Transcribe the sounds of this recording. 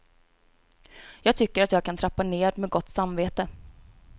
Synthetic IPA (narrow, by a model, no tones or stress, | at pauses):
jɑːɡ̚t̪ʰʏkːəɾat̪jɑːɡ̚kʰant̪ʰɾapːaneːd̪mɛːɡɔt̪ːsamveːt̪ə